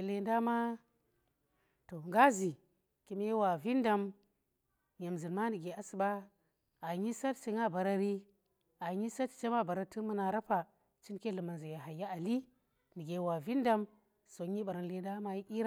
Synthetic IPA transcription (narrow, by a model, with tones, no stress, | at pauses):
le˨nda˦ma˦ | to˨ŋɡa˦zi˨ | ki˨me˦wa˨vi˦nda˨m | ɲe˨mzi˨nma˦ndi˨ɡe˨a˨˦si˨ɓa˦ | a˨ɲi˦sa˦tsi˦ŋa˦ba˨ɾa˦ɾi˦ | a˨ɲi˦sa˦tt͡ʃe˦ma˦ba˨ɾa˦ti˦mu˦na˨ɾa˦pa˨ | t͡ʃi˦nke˦lu˨ma˨nzi˨ja˨ɦa˨jːa˦a˨li˦ | ni˨ɡe˨˦wa˨vi˦nda˦m | so˨ɲi˦ɓa˨ɾa˨n˨le˨nda˦ma˦ji˦ʔi˦ɾ